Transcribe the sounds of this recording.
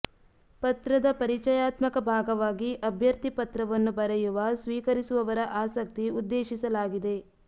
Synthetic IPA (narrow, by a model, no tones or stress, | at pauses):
pɐt̪ɾɐd̪ɐpɐɾit͡ʃɐjaːt̪mɐkɐbʱaːɡɐʋaːɡiʔɐbʱjɐɾt̪ipɐt̪ɾɐʋɐnːubɐɾɛjuʋɐsʋiːkɐɾisuʋɐʋɐɾɐʔaːsɐk̚t̪iud̪ːeːʃisɐlaːɡid̪e̞